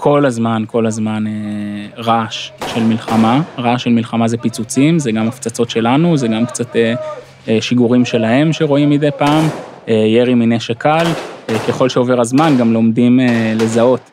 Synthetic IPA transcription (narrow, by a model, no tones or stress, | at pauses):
kʰo̞lazmanko̞lazmaneʁaʃʃe̞lmilχamaʁaʃe̞lmilχamazepit͡sut͡simzeɡamaft͡sat͡so̞tʃe̞lanuzeɡamkt͡sat̪e | ʃiɡuʁimʃe̞lahe̞mʃeʁo̞imid̪ejpaːm | eje̞ʁimineʃekalke̞χo̞lʃeo̞ve̞ʁazmanɡamlo̞mdimele̞zao̞t